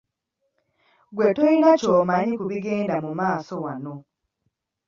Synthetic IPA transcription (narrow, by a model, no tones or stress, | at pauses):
ɡwe̞tojinacomaɲikuβiɡe̞ːndamumaːso̞wano̞